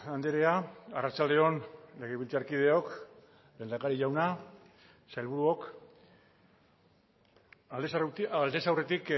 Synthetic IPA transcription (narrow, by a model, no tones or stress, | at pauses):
and̪eɾe̞aarat͡ʃald̪e̞o̞nle̞ɣeβilt͡seaɾkið̞e̞o̞k | lend̪akaɾiʝawna | salβuɾuo̞k | sald̪e̞sawre̞t̪ik